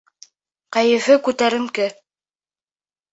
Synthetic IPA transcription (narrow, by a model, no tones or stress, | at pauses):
qæjɘ̆fɘkʉt̪æɾɘ̆mkɘ